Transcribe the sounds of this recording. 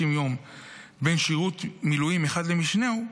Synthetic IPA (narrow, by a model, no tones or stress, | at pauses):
imjo̞m | be̞nʃiʁut̪milujimeχad̪le̞miʃneu